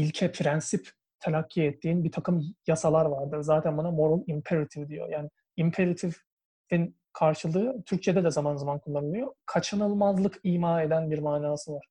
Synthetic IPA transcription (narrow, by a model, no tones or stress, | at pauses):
ilʲcʰɛpʰɾɛnsip | t̪ʰelʲacʰːiɛt̪ʰːiːnbit̪ʰakɯmjasalˠaɾvaɾd̪ɯɾzaːt̪ʰænbanamo̞ɾolˠimpʰeɾat̪ʰivd̪ijo̰jaːnɪ | impʰeɾat̪ʰiv | in | kʰaɾʃɯlˠɯːt̪ʰyɾc̚t͡ʃʰɛd̪ɛd̪ɛzamanzamankʰullːˠanɯlˠɯjo̞kʰat͡ʃʰɯnɯlˠmazlˠɯkʰiːmaːe̞d̪ænbiɾmaːnaːsɯvaɾ̥